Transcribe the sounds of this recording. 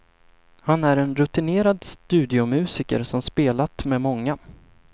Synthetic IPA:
hanæɾɛnɾɵt̪ɪneːɾad̪st̪ʉ̟ːd̪ɪʊmʉ̟ːsɪkə̰ɾsɔmspeːlat̪mɛmɔŋːa

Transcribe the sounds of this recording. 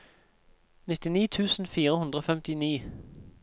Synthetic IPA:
nɪt̪ɪniːt̪ʰʉːsn̩fiːɾəhʉnd̪ʁəoːfɛmt̪ɪniː

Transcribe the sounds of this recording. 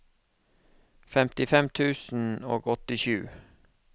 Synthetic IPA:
fɛmt̪ɪfɛmt̪ʰʉːsn̩o̰ːɡɔt̪ɪʃʉ̰ː

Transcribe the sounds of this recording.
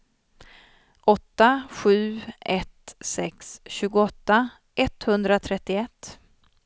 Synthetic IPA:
ʔɔt̪ːaɧʉ̟ːɛt̪sɛksɕʉ̟ːɡʊɔt̪ːa | ɛt̪hɵnd̪ɾat̪ʰɾɛt̪ːɪɛt̪ː

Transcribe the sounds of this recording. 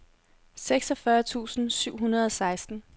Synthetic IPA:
seɡ̥sɒfɶɐt͡sʰṵːsn̩syʊ̰ɦunɐð̞ˠɒ̽sɑ̈ɪsd̥n̩

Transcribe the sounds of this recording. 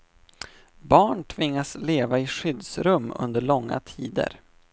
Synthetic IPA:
bɑːɳʈʰvɪŋːasleːvaɪɧʏd̪sɾɵmːɵ̰nd̪əɭɔŋːa̰t̪ʰiːd̪ə̰ɾ

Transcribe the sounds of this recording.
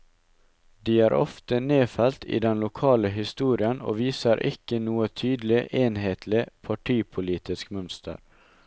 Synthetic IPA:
d̪iːæːɾʔɔ̰ft̪əneːfɛlt̪ḭːd̪ɛnlʊkʰɑːləɦɪst̪uːɾɪəno̰ːʋiːsəɾʔɪkənuːət̪ʰyːd̪l̩ɪʔeːnheːt̪ʰlɪpʰɑʈʰiːpʰʊliːt̪ʰɪskmœnst̪ʰə̰ɾ

